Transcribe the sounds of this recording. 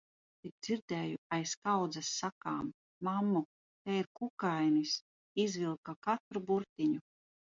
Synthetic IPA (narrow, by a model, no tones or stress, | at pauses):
bet̪̚d̪ziɾd̪ɛːjuajskawd̪zasːakaːmː | amːu | t̪ɛiɾkukajnis | izvilˠkakat̪ɾubuɾt̪iɲu